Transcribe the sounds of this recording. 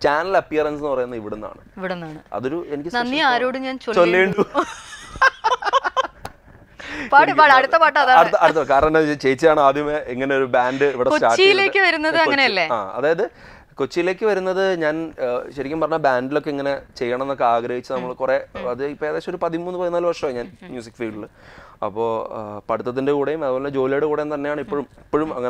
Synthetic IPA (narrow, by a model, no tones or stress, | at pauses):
t͡ɕaːnɐlɐpːijɐrɐnsenːɨpɐrɐjunːɐiʋiɽenːa̰ːɳɨiʋiɽenːaːɳɨɐ̰ðo̞ɾuenikʲːɨsnɐnːiaːɾoːɽɨɲaːnt͡ɕolt͡ɕolːeːɳɖu | paːʈɨpaːɽɐɽut̪ːɐpaːʈ̬ːɐðaɐɽuːɐɐut̪ːɐkaːɾɐɐnɐet͡ɕe̞jit͡ɕːɐðaːɳɨaːd̪jɐmeeŋːɐne̞o̞ɾubaːndɨiʋiɽekstat͡ɕːijile̞ːkʲːɨʋɐɾunːɐðɨɐːɐneɐlːea̰ːɐ̰ðaːjɐðɨ | kot͡ɕːijile̞ːkːɨʋɐɾunːɐðɨɲaːnɕɐɾikʲːampɐrɐɲːabaːndilo̞kːe̞iŋːɐne̞t͡ɕe̞jːɐɳɐmnːo̞kːeaːɡɾɐhit͡ɕːɨnɐmːɐɭkureɐðɨipːoed̪eːɕɐmoɾupɐðimuːnɨpoːjnaːlɨʋɐrʂɐmoːɲaːnmjuːs̬ikːfiːɖiɭ | ɐ̰pːo̞ːpɐɽut̪ːɐt̪ːindekuːɽejumɐðɨpoleed͡ʑo̞ːliejɽekuːɽenːt̪ɐnːejaːɳɨipːoɻumipːoɻumɐ̰ŋːɐ